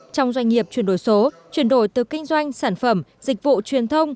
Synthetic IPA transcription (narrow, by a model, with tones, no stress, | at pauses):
t͡ɕɔ˧wŋ͡mzwa˧ŋ̟ŋi˨˩əp̚t͡ɕwi˧˩ənɗo˧˩jso˨˦ | t͡ɕwi˨˩ənɗo˧˩jt̪ɨ˨˩kï˧ŋ̟zwa˧jŋ̟saː˧˩nfə˧˩mzï˨˩k̟̚vṵ˧˨t͡ɕwi˨˩ənt̪ʰə˧wŋ͡m